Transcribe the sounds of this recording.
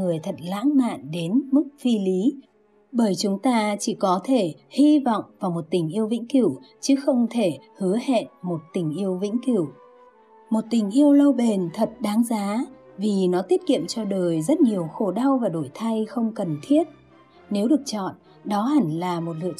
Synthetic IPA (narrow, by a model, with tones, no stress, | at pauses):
ɨ˨˩əjt̪ʰə˨˩t̚la̰ː˧˥ŋma̰ː˧˨nɗe˨˦nmɨ˦˥k̚fi˧li˨˦ | ɓəː˧˩jt͡ɕʊ˨˦ŋ͡mt̪aː˧t͡ɕi˧˩kɔ˨˦t̪ʰe˧˩hi˧vɔ̰˧˨wŋ͡mvaː˨˩wmo˨˩t̚t̪ï˨˩ŋ̟ʔi˧əwvḭ˧˥ŋ̟ki˧˩w | t͡ɕɨ˨˦xə˧wŋ͡mt̪ʰe˧˩hɨ˨˦əhḛ˧˨nmo˨˩t̚t̪ï˨˩ŋ̟ʔi˧əwvḭ˧˥ŋ̟ki˧˩w | mo˨˩t̚t̪ï˨˩ŋ̟ʔi˧əwlə˧wɓe˨˩nt̪ʰə˨˩t̚ɗaː˨˦ŋzaː˨˦ | vi˨˩nɔ˨˦t̪i˦˥ət̚kḭ˧˨əmt͡ɕɔ˧ɗəː˨˩jzə˦˥t̚ɲi˨˩əwxo˧˩ɗa˧wvaː˨˩ɗo˧˩jt̪ʰa˧jxə˧wŋ͡mkə˨˩nt̪ʰi˦˥ət̚ | ne˨˦wɗɨ˨˩ək̚t͡ɕɔ̰˧˨n | ɗɔ˨˦ɦa˧˩ŋlaː˨˩mo˨˩t̚lɨ̰˧˨